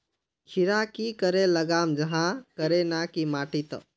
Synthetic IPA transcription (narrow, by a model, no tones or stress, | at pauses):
kʰiɾakikəɾeləɡaːmd͡ʒəɦãkəɾenakimaːʈit̪ə̰